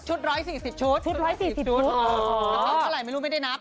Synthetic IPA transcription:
t͡ɕʰu˦˥t̪̚ɾɔː˦˥jsiː˨˩si˨˩p̚t͡ɕʰu˦˥t̪̚ʰɾɔː˦˥jsiː˨˩si˨˩u˦˥aː˦˧t̪ʰɔː˦˥aː˧˩ɾa˨˩jma˥˩jɾuː˦˥m˥˩jda˥˩jna˦˥p̚

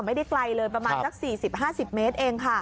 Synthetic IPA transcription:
ŋma˥˩jda˥˩jkla˧jlɤː˧jp̬ɾa˧maː˧nsa˦˥k̚siː˨˩si˨˩p̚ɦaː˥˩si˨˩p̚meː˦˥t̪̚ʔeː˧ŋkʰa˥˩

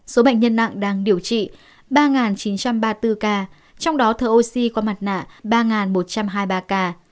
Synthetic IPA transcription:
so˨˦ɓa̰˧˨ŋ̟ɲə˧nːa̰˧˨ŋɗaː˧ŋɗi˨˩əwt͡ɕḭ˧˨ | ɓaː˧ŋaː˨˩nt͡ɕi˨˦nt͡ɕa˧mɓaː˧t̪ɨ˧kaː˧ | t͡ɕɔ˧wŋ͡mɗɔ˨˦t̪ʰəː˨˩ʔo˧si˧kɔ˨˦ma˨˩t̚na̰ː˧˨ɓaː˧ŋaː˨˩nmo˨˩t̚t͡ɕa˧mɦaː˧jɓaː˧kaː˧

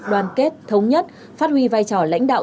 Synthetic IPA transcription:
ɗwaː˨˩nke˦˥t̚t̪ʰə˨˦wŋ͡mɲə˦˥t̚ | faː˦˥t̚hwi˧vaː˧jt͡ɕɔ˧˩la̰˧˥jŋ̟ɗa̰ː˧˨

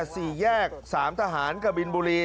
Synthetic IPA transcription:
siː˨˩jɛː˥˩k̚saː˩˦mt̪ʰaː˧ɦaː˩˦nkʰa˧˩bi˧nbuː˧liː˧

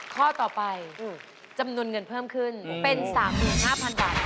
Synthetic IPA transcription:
kʰɔː˥˩t̪ɔː˨˩pa˧j | t͡ɕa˧mnu˧ənŋɤ˧npʰɤː˥˩mkʰɯ˥˩npe˧nsaː˩˦mːɯː˨˩nhaː˥˩pʰa˧nbaː˨˩t̪̚

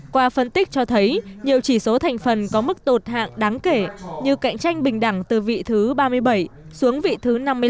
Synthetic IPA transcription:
kwaː˧fə˧nt̪ï˦˥k̚t͡ɕɔ˧t̪ʰə˨˦jɲi˨˩əwt͡ɕi˧˩so˨˦t̪ʰa˨˩jŋ̟fə˨˩nkɔ˨˦mɨ˦˥k̚t̪o˨˩t̚ha̰ː˧˨ŋɗaː˨˦ŋke˧˩ɲɨ˧˩ka̰˧˨jŋ̟t͡ɕa˧jŋ̟ɓï˨˩ŋ̟ɗa˧˩ŋt̪ɨ˨˩vḭ˧˨t̪ʰɨ˨˦ɓaː˧mɨ˧əjɓə˧˩jsu˨˦əŋvḭ˧˨t̪ʰɨ˨˦na˧mːɨ˧ə

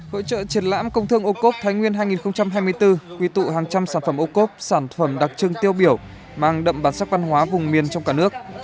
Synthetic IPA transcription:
ho̰˧˥t͡ɕə̰ː˧˨t͡ɕi˨˩ənla̰ː˧˥mkə˧wŋ͡mt̪ʰɨ˧əŋʔo˧ko˦˥p̚t̪ʰaː˨˦jŋwi˧ənɦaː˧jŋi˨˩nxə˧wŋ͡mt͡ɕa˧mɦaː˧jmɨ˧əjt̪ɨ˧kwi˧t̪ṵ˧˨ɦaː˨˩ŋt͡ɕa˧msaː˧˩nfə˧˩mʔo˧ko˦˥p̚saː˧˩nfə˧˩mɗa˨˩k̚t͡ɕɨ˧əŋt̪i˧əwɓi˧˩əw | maː˧˩ŋɗə̰˧˨mɓaː˨˩nsaː˦˥k̚va˧nhwaː˨˦vʊ˨˩ŋ͡mmi˨˩ənt͡ɕɔ˧ŋ͡mkaː˧˩nɨ˦˥ək̚

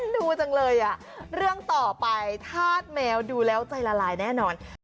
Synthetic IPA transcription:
duː˧t͡ɕa˧ŋlɤː˧jʔa˨˩ | ɾɯ˥˩əŋt̪ɔː˨˩pa˧jt̪ʰaː˥˩t̪̚mɛː˧wduː˧lɛː˦˥wt͡ɕa˧jlaː˧laː˧jnɛː˥˩nɔː˧n

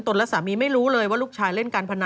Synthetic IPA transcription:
nt̪o˧nlɛ˦˥saː˩˦miː˧ma˥˩jɾuː˦˥lɤː˧jwaː˥˩luː˥˩kt͡ɕʰaː˧jle˥˩nkaː˧npʰa˧na˧

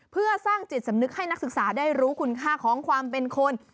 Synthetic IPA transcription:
pʰɯ˥˩ɐsaː˥˩ŋt͡ɕi˨˩t̪̚sa˩˦mnɯ˦˥k̚ha˥˩jna˦˥k̚sɯ˨˩k̚saː˩˦daː˥˩jɾuː˦˥kʰu˧nkʰaː˥˩kʰɔː˩˦ŋkʰwaː˧mpe˧nkʰo˧n

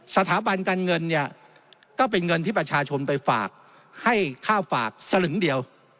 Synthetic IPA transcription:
sa˧t̪ʰaː˩˦ba˧nkaː˧nŋɤ˧nːi˥˩ɐ | kɔː˥˩p̬e˧nŋɤ˧nt̪ʰiː˥˩pɾa˧t͡ɕʰaː˧t͡ɕʰo˧npa˧jfa̰ː˨˩k̚ | ha˥˩jkʰaː˥˩wfa̰ː˨˩k̚sa˧nɯ˩˦ŋdi˧əw

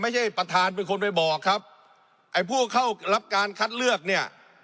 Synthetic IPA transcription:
ma˥˩jt͡ɕʰa˥˩jpɾa˧t̪ʰaː˧np̬e˧nkʰo˧npa˧˩jbɔː˨˩kʰːa˦˥p̚ | ʔa˧˩jpʰuː˥˩kʰa˥˩wɾa˦˥p̚kaː˧nkʰa˦˥t̪̚lɯ˥˩ək̚ni˥˩ɐ

